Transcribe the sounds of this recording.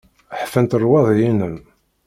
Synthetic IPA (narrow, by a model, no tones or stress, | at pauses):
ħfənt̪ərˤwɑðˤjinəm